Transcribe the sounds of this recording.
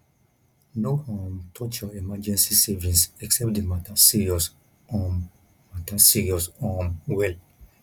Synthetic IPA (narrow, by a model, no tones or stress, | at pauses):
noɔ̃mtʰɔt͡ʃɔɛmad͡ʒɛ̃nsisɛvĩnsɛksɛp̚dematasiɹiɔs | ɔ̃m | matasiɹiɔsɔ̃mwɛl